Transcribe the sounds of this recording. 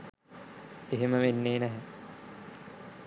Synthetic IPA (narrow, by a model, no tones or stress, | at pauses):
eɦeməʋenːeːnæɦɛ